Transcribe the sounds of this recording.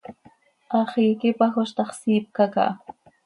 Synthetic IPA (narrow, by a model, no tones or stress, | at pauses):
ɑχɪjkɪpaxʊʃt̪ɑχsiːp̚kaka̰ʔ